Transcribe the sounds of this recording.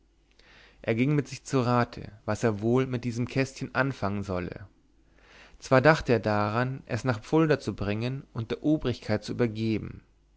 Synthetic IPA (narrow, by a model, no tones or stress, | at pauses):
ʔeːɐɡɪŋmɪtz̥ɪçt͡suʁaːtʰə̰vaseːɐvoːlmɪt̚d̥iːzəmkʰɛstçənʔanfaŋənzɔlə̰ | t͡sv̥aːɐdaχtəeːɐdaʁanʔɛsnaːχp͡fʊldɐt͡subʁɪŋənʔʊnt̚d̥eːɐʔoːbʁɪçkʰaɪt̚t͡suʔyːbɐɡeːbm̩